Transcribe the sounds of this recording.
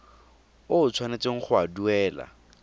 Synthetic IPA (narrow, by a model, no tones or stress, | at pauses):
ʊʊt͡sʰwanet͡seŋ̩χʊaduɛːla̰